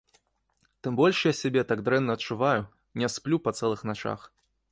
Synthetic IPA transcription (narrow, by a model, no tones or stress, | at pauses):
t̪ɨmbɔlʲʂjasʲabʲɛt̪aɡd̪ɾɛnːɐːtt͡ʂːuvaju | nʲɛsplʲupɐt̪sɛlˠɨxnat͡ʂa̰x